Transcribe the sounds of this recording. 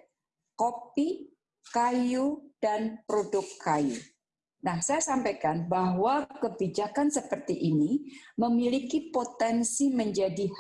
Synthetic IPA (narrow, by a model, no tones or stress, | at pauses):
kopi | kajud̥anpɾodʊkːʰajṵ | nahsajasampajkanbaɦwakəbid͡ʒakansəpərt̪iʔiniməmilikipot̪ɛnsiməɲd͡ʒadih